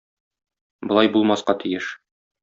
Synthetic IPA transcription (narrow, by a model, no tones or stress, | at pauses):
bŏlˠɑjbulˠmɑsqɑt̪ijɘʃ